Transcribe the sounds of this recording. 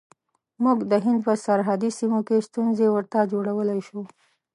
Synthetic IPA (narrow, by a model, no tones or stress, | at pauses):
muɡd̪əɦɪnd̪̚pəsaɾɦad̪isimokest̪unzewəɾt̪ad͡ʒoɽawəlajʃu